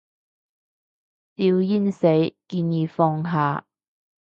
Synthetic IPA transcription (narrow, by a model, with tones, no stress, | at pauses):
t̪iː˧wjiː˥nse˨˥jkiː˧njiː˨˧fɔː˧ŋɦaː˨˧